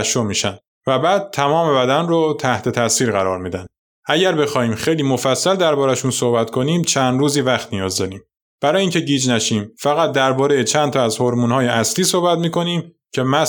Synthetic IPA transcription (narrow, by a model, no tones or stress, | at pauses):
ʃomiːʃæn | væbæːd̪̥̚t̪ʰːæmɒːme̞bæd̪ænrot̪ʰæht̪ʰe̞t̪ʰæsiːɾɣæɾɒːɾmiːd̪æn | ʔæɟæɾbe̞xɒːhiːmxejliːmo̞fæsːæld̪æɾbɒːɾæʃunsohbæt̪kʰo̞niːmt͡ʃʰænd̪ɾuːziːvæxt̪nijɒːzd̪ɒːɾiːm | b̥æɾɒːjiŋcʰe̞ɟiːd͡ʒnæʃiːmfæɣæt̪̚d̪æɾbɒːɾejet͡ʃʰænt̪ʰɒːæzhoɾmuːnhɒːjeʔæsliːsohbæt̪miːkʰo̞niːm | cʰe̞mæ